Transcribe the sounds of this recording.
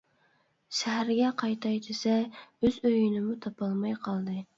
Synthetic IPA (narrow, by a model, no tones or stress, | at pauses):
ʃæɦæɾɡʲɛqʰɑjt̪ʰɑjt̪ʰɪsɛøzøjynɪmut̪ʰɑpʰɑlˠmɑjqʰɑlˠd̪ɨ